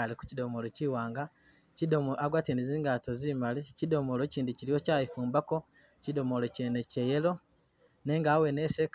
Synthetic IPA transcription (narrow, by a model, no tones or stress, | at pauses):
aliku̥cido̞molociwaːŋɡa | cidomoaɡwaːteniziːŋɡatozimalicido̞molociːndiciɾijocaːifuːmbako̞ | cido̞molocenecejelo̞ | ne̞ːŋɡaːwenesek